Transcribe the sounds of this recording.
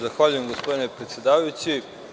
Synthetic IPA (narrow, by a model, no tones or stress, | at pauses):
zaxʋaʎuje̞mɡo̞spo̞d̪ine̞pɾet̪sjed̪aːʋajut͡ɕi